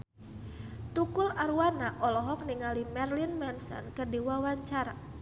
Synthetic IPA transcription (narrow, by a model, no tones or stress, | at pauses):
t̪ukʊlaɾuwanaʔɔlɔɦɔk̚niŋalimɛrlinmɛnsɔ̰nkərdiwawaɲt͡ʃaɾa